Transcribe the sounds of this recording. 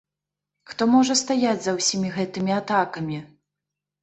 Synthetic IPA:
xt̪ɔmɔʐɐst̪ajad͡zʲzɐwsʲimʲiɣɛt̪ɨmʲiat̪akɐmʲi

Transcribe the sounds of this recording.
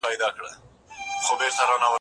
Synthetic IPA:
ɑjd̪ɑkɽə̰ | χobeɾt̪aɾɑnawə

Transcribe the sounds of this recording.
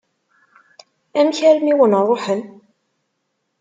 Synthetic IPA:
æmçæɾmiwənrˤːoħən

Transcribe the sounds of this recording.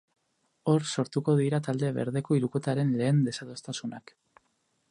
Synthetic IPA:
o̞ɾso̞ɾt̪uko̞ðiɾat̪ald̪eβe̞̰ɾðe̞ko̞iɾuko̞t̪aɾe̞nle̞ːnd̪e̞saðost̪asunak

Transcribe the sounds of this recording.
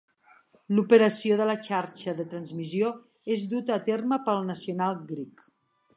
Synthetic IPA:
lupəɾəsioðələt͡ʃaɾt͡ʃəðət̪ɾənzmizio | ezðut̪əːt̪erməpəlˠnəsiunalˠɡɾik

